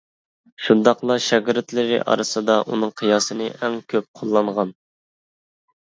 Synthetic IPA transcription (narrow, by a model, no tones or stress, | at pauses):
ʃund̪ɑqlˠɑʃɛɡʲɾɪt̪lɪɾɪ̰ʔɑ̰ɾɨsɨd̪ɑʔunɨŋqʰɨjɑːsɨnɨʔɛŋkʲʰøp̚qʰolˠːɑɴʁɑn